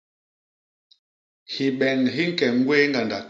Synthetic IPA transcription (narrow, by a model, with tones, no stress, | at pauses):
hi˨ɓɛ˨ŋɦi˦ŋ̩˦kɛ˨ŋ˦ɡweː˦ŋɡa˨nda̰˨